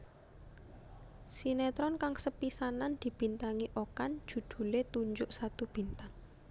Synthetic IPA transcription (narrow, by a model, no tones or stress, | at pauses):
sinet̪ɾɔnkaŋsəpisanand̪̥i̤b̥i̤nt̪aŋiʔokan̥d͡ʒ̥ṳd̪̥ṳlet̪uɲd͡ʒʊʔsat̪ub̥i̤nt̪aŋ